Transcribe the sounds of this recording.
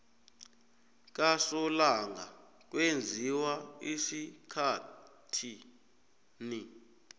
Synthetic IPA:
k̬ʼasɔlaŋa | k̬ʼwend͡zʱiwaisikʰatʰi | ni

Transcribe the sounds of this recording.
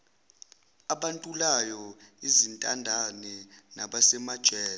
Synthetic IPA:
aɓantʼulajɔizintʼandʱanɛnaɓasɛmad̥ʒ̥ʱɛː

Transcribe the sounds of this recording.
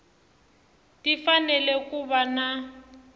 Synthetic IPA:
tifanɛlɛkubana

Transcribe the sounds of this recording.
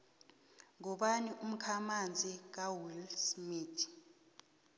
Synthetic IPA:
ŋɔɓaniʔum̩kʰamand͡zʱik̬awilsmiːtʰ

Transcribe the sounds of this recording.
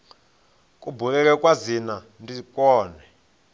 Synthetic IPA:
kʼubulɛk̬ɛkwazina | ndikʼɔːnɛ

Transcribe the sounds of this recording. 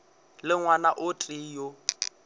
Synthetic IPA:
lɪŋwanaʔʊtʼijo

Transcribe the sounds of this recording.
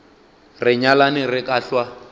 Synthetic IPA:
rɪɲalanɪrɪkʼaɬwa

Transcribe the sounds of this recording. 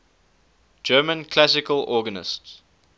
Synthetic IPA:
d͡ʒɜːmə̃nkʰl̥asɪkəlɔːɡənɪ̰sts

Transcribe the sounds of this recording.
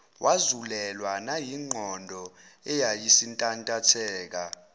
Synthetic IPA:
wʔazulɛlwanajiŋ͡ǃʱɔndʱɔɛjajisintʼantʼatʰɛːk̬a

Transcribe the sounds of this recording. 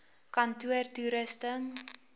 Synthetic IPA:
kantuərtuɾəstəŋ

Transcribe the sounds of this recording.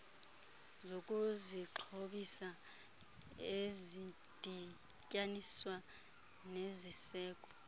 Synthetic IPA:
zokʼuziǁʰoɓisa | ezi | d̥ʼʱi | cʼaniswa | nezisɛːkʼɔ

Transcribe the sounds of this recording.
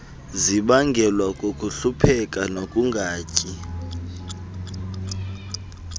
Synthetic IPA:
ziɓaŋɡʱɛlwakʼokʼuɬupʰɛkʼanokʼuŋɡʱaːcʼi

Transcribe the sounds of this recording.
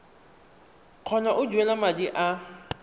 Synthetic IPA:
q͡χʰɔnaʔʊd͡ʒuɛlamadiʔa

